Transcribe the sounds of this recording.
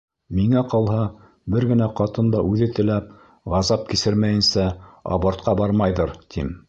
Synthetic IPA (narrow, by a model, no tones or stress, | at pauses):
miŋæqɑlˠɦɑ | bɘɾɡɘ̆næqɑt̪ɤ̆nd̪ɑʔʉðɘt̪ɘ̆læp | ʁɑzɑp̚kisɘɾmæjɘ̆nsæɑ̰βɑɾt̪̚qɑbɑɾmɑjðɤɾt̪ʰim